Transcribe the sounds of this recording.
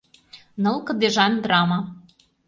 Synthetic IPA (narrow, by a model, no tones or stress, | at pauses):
nɤ̆lkɤ̆d̪eʒɑnd̪rɑmɑ